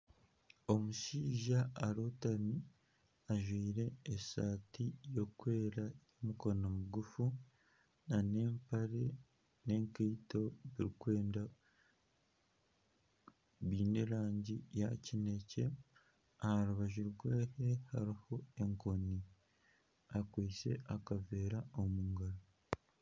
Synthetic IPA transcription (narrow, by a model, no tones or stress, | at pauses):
o̞muʃiːʒaaɾotami | aʒwiːɾe̞ːsaːtijo̞kwe̞ːɾajomukonomuɡufu | nane̞ːmpaɾe̞ | ne̞ŋkiːto̞βiɾikwe̞ːnda | βiːne̞ɾaːɲɟijacine̞ce̞ | ahaɾuβaʒuɾɡweːhe̞haɾiho̞e̞ŋkoni | akwiːse̞̰ʔakave̞ːɾaomuːŋɡaɾo